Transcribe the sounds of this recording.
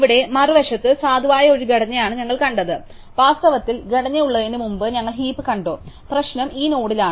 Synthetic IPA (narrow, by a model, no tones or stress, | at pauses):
iʋiɽe̞mɐrɨʋɐʂɐt̪ːɨsaːd̪ʱuʋaːjɐo̞ɾuɡeɽɐɲːɐjaːɳɨɲɐŋːɐɭkɐɳɖɐðɨ | ʋaːst̪ɐʋɐt̪ːilɡɐɽɐɲːɐjuɭːɐðeːnɖimumbɨɲɐŋːɐɭɦiːpːɨkɐɳɖo̞̰ːprɐɕnɐmiːno̞ːɽilaːɳɨ